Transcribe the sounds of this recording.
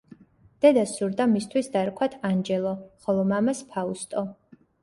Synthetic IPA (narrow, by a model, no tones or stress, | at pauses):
d̪̥ɛd̪asuɾd̪amist̪ʰwisd̪aɾkʰwat̪ʰand͡ʒɛlˠɔχɔlˠɔmamaspʰaust̪ʼɔ